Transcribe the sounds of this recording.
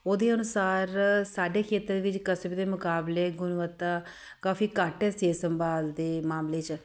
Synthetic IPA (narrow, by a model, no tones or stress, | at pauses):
oːd̪eːənʊsaːɾsaːɖeːkʰeːt̪ɾdeʋɪt͡ʃkəsbd̪eːmʊkaːbleːɡʊnʋət̪ːaː | kaːfiːkaːʈɛːseːsəmbaːld̪eːmaːmleːt͡ʃ